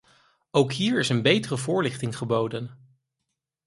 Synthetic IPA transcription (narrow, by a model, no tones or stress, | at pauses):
owkɦiːɹɪsənbejtərəvʊːɹlɪχtɪŋχəbowdən